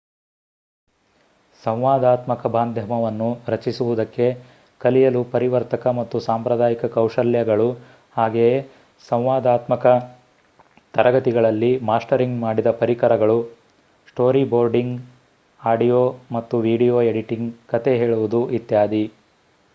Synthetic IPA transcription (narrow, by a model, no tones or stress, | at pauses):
sɐ̃w̃ʋaːd̪aːt̪mɐkɐbaːnd̪ʱjɐmɐʋɐnːuɾɐt͡ʃisuʋud̪ɐkːe̞ | kɐlijɐlupɐɾiʋɐɾt̪ɐkɐmɐt̪ːusaːmpɾɐd̪aːjikɐkɐwʂɐljɐɡɐɭu | haːɡej | sɐ̃w̃ʋaːd̪aːt̪mɐkɐ | t̪ɐɾɐɡɐt̪iɡɐɭɐlːimaːsʈɐɾiŋɡmaːɽid̪ɐpɐɾikɐɾɐɡɐɭu | sʈo̞ːɾiboːɾɖiŋɡ | aːɖijoːmɐt̪ːuʋiːɖijoːe̞ɽiʈiŋɡkɐt̪e̞ɦe̞ːɭuʋud̪uʔit̪jaːd̪i